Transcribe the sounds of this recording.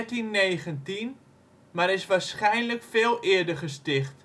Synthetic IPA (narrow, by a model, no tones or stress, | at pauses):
tinːeːχəntin | maɾɪsʋarsχɛjnləkfeːlˠʔɪərdərχəstɪχt